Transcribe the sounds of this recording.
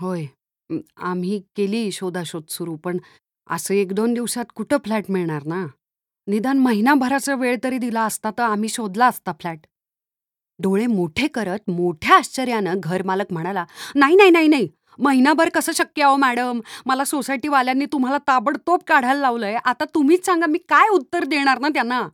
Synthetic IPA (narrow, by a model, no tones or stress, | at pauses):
ɦoj | a̰m̤iːkeliːɕod̪ʱaɕod̪suɾuːpəɳ | ə̰səekd̪ond̪iʋsat̪kuʈʰəflæʈmiɭɳaɾna | nid̪anməɦinabʱəɾat͡səʋeɭt̪əɾiːd̪ilaəst̪at̪əam̤iːɕod̪laəst̪afʰlæʈ | ɖʱoɭemoʈʰekəɾət̪moʈʰjaəɕt͡ɕəɾjãnəɡʱəɾmaləkm̤əɽ̃alanaɦinaɦinaɦinaɦi | məɦinabʱəɾkəsəːɕəkjəaomæɽəmːəlasosajʈiːʋaljanːiːt̪um̤alat̪abəɽt̪op̚kaɽ̤alːaʋləjeʔat̪at̪um̤iːt͡ssãŋɡamiːkajut̪ːəɾd̪eɽ̃aɾnat̪janːa